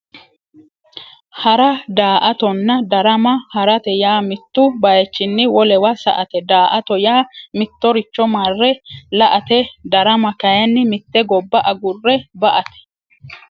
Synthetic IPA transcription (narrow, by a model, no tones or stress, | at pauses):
hɐɾɐd̪aːʔɐt̪ɔnːɐd̪ɐɾɐmɐhɐɾɐt̪ɛjaːmɪt̪ːʊbɐjɛt͡ʃːɪnːɪwɔlɛwɐsɐ̰ʔɐt̪ɛd̪aːʔɐt̪ɔjaːmɪt̪ːɔɾɪt͡ʃːɔmarːɛlɐʔɐt̪ɛd̪ɐɾɐmɐkɐjɐnːɪmɪt̪ːɛɡɔbːɐʔɐɡʊrːɛbɐʔɐt̪ɛ̥